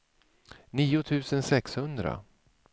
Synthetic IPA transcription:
niːʊt̪ʰʉ̟ːsənsɛkshɵnd̪ɾa̰

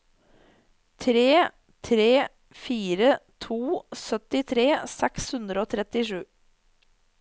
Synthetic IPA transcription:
t̪ʰɾeː | t̪ʰɾeː | fiːɾət̪ʰuːsœt̪ɪt̪ʰɾeːsɛkshʉnd̪ɾəoːt̪ʰɾɛt̪ɪʂʉː

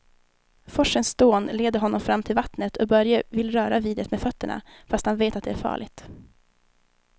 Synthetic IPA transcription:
fɔʂənsd̪oːnleːd̪əɾɦɔnːɔmfɾamːt̪ʰɪlvat̪nət̪ʰɔbœɾjəvɪlːɾœːɾaviːd̪ət̪meːd̪fœt̪ːəɳa̰fast̪hanveːt̪at̪̚d̪ɛæɾfɑ̰ːɭɪɡt̪

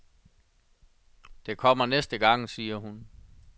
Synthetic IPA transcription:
d̥e̝kʰɒ̽m̰ɐnesd̥əɡ̥ɑ̈ŋ̰siːɐɦun

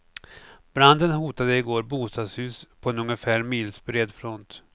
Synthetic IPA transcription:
b̥ɾand̪ənɦuːt̪ad̪əɪɡoːɾbuːst̪ɑːd̪shʉ̟ːspʰɔɛnɵŋəfæːɾmiːlsbɾeːd̪fɾɔnt̪

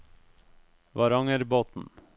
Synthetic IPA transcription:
ʋɑɾɑŋəɾboːt̪n̩

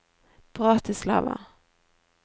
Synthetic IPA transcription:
b̥ʁɑːt̪ʰɪsla̰va̰

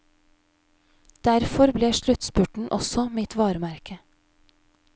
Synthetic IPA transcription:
d̪̥æɾfɔɾbleːʃlʉt̪spʉʈɳ̩ʔɔ̰sɔmɪt̪ʰʋɑːɾmæɾkʰə

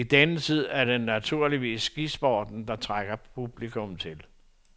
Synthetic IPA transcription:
id̥ænət͡sʰið̰ˠæɐd̥enːæt͡sʰuɐliʋḭːsːɡ̥isb̥ɒːd̥n̩d̥ɑ̈t͡sʰʁaɡ̥ɐpʰub̥likʰɔmt͡sʰe̝l

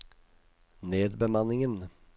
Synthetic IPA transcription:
neːd̪bɛmanːɪŋən

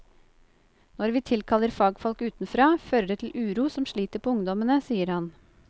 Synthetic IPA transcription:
nɔɾʋiːt̪ʰɪlkʰɑləɾfɑːɡfɔlkʉːt̪nfɾɑːføːɾəɖ̪eːt̪l̩ʔʉːɾuːsɔmʃɭiːt̪əɾpʰoːʊŋd̪ɔmənəsiːəɾhɑn

